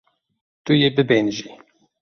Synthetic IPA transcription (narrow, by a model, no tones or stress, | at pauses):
t̪ujebɨbenʒi